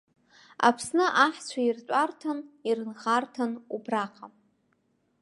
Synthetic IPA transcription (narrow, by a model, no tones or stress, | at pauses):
a̰pʰsnɨʔaħt͡ɕʷʰairt͡ɕʷʼartʰanirɨnχartʰanubraqʼam